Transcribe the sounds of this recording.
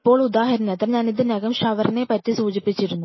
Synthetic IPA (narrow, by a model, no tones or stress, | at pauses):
ipːo̞ːɭud̪aːɦɐɾɐnɐt̪ːɐmɲaːnid̪ɨnɐɡɐmʂaʋɐɾɐneːpɐtːisuːd͡ʑipːit͡ɕːiɾunːu